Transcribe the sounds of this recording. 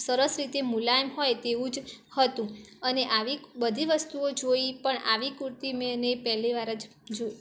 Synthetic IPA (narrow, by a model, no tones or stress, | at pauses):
səɾəsɾit̪emulaemɦojt̪eʋũd͡ʒhət̪ũ | əneʔaʋibəd̪ʱiʋəst̪uod͡ʒoipəɳa̰ʋikuɾt̪imenepɛɦliʋaɾəd͡ʒ | d͡ʒo